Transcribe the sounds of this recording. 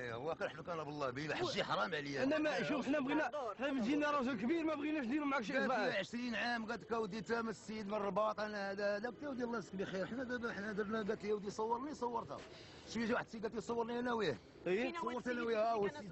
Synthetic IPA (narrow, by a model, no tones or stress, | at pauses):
wækəɾˤɑħməkænæbəlˤːɑbilæħaʒːiħɑɾˤɑmʕləjæənːæmæʃufəħnæbɣinætæfəd͡ʒinærˤɑsulkbiɾmæbɣinæʃnd̪inumʕakʃææʕəʃɾinʕamɡæt̪kæwəd̪it̪æməsːid̪mənrˤːbɑt̪ˤʔænæhæd̪æhæd̪æk̚t̪iwd̪ilːæsə̥kbixiɾəħnæɡæħnæd̪əɾnæɡæt̪liwd̪isˤɑwːəɾˤnisˤɑwːəɾt̪æ̰ | ʃfiʒwaħəd̪̚siɡæt̪ijsˤɑwːəɾniænæwih | it̪sˤɑwːəɾt̪ænæwihæwæid̪